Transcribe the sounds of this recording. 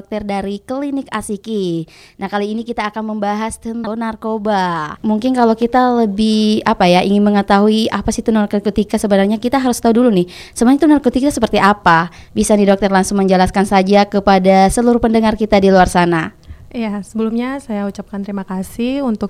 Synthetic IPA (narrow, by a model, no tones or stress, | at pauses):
k̚t̪ərdaɾikəlinɪkasiki | nahkaliːnikit̪aːkanməmbaɦast̪ənnarkobamuŋkɪnkalokit̪aləbɪhapajaʔiŋɪnməŋət̪aɦuiapasit̪unarkərkot̪ikasəbənarɲakit̪aɦaɾʊst̪audulunɪhsəbənɲt̪unarkot̪ikasəpərt̪iʔapabisanidɔk̚t̪ərlaŋsʊŋməɲd͡ʒəlaskansad͡ʒakəpadasəluɾʊhpəndəŋarkit̪adiluarsanajasəbəlumɲasajaut͡ʃap̚kant̪əɾimakasɪunt̪ʊk̚